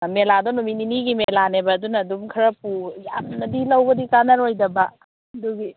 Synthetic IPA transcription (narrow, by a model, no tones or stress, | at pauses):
meladɔnumininiɡimelanebɐːdunɐːdumkʰɐɾɐpujamnɐdilawbɐdikanɐɾojdɐba | duɡi